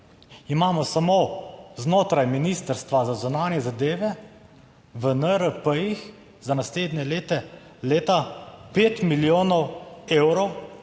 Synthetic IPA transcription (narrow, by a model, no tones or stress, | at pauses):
imaːmɔsamoːznoːt̪ɾajminiːst̪əɾst̪ʋazazunaːnjɛzad̪eːʋɛ | ʋənəɾəpəjix | zanasleːd̪nʲɛleːt̪ɛ | leːt̪apeːt̪miljoːnɔweːwɾɔw